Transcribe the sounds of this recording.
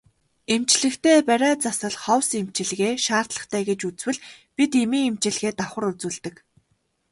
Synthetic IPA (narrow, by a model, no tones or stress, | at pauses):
emt͡ɕɮɘ̆kt̪ʰeːpæɾʲæːt͡sasə̆ɮχɔwsemt͡ɕɪ̆ɮɣeːʃaːr̥t̪ɮə̆χt̪ʰæːɡet͡ɕut͡swɘ̆ɮpit̪emiːŋemt͡ɕɪ̆ɮɣeːt̪aχə̆ɾut͡suːɮt̪ɘ̆k